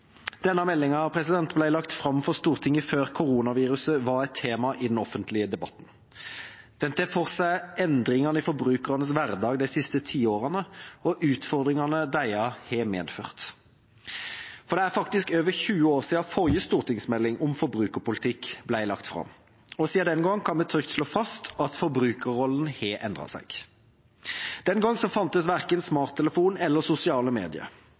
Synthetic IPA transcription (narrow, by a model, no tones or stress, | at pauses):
d̪̥ɛnːɑmɛlːɪŋɑɑpʰɾɛsɪd̪ɛnt̪blæɪlɑkt̪fʁɑmfɔst̪uːʁt̪ʰɪŋːəføːʁkʰʊʁuːnɑʋiːʁʉsəʋɑɾɛɪt̪ʰːeːmɑʔɪd̪ɛnɔfənt̪ʰlɪəd̪ɛbɑ̰t̪n̩ | d̪̥ɛnt̪əfoːʁsæɪɛnd̪ʁɪŋɑnəɪfɔɾbʁʉːkəʁɑnəsʋæɾd̪ɑːɡd̪æɪsɪst̪ət̪ʰiːoːʁənəɔʔʉːt̪fɔʁd̪ʁɪŋɑnəd̪æɪɑhɛːmḛːd̪føːʁt̪ | fɔɾd̪ɛæːɾfɑkt̪ɪskøːʋəɾçʉːəoːʁsiːɑfɔɾjəst̪uːɾt̪ɪŋsmɛlːɪŋʔʊmfɔɾbɾʉːkəɾpʊlɪt̪ʰɪkːblæɪlɑ̰kt̪fʁɑ̰m | ɔsiːɑd̪ɛnɡɑŋːkʰɑnmɛt̪ʰɾʏkt̪ʃloːfɑst̪ɑt̪fɔɾbɾʉːkəʁɔlːən̩heːʔɛnd̪ʁɑ̰sæ̰ɪɡ̥ | d̪̥ɛnɡɑŋːsɔfɑnt̪əsʋæɾkənsmɑːʁt̪ʰːɛləfuːnɛlːəsʊsɪɑːləmḛːd̪ɪə̰